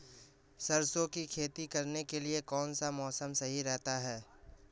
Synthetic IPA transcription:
sɐɾsõkikʰeːt̪ikɐɾnekeliekɔːnsamɔːsəmsɐɦiɾɛɦt̪aɦɛː

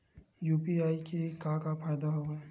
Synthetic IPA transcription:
juːpiaːikekakapʰəɾd̪aɦoɛː

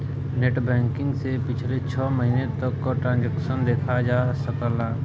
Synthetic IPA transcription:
neːʈbɛ̃ːŋkɪ̃ŋɡsepɪt͡ʃʰlet͡ʃʰɔːmɐɦiːnet̪ɐkːoʈɾãːnd͡ʒɛkʃənd̪eːkʰad͡ʒaːsəkəlaː

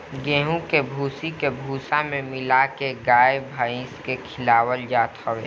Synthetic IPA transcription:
ɡẽːɦũkebʱuːsikebʱuːsãmẽmɪlakeɡaːebʱaĩskekʰɪlaːwəld͡ʒaːt̪həweː

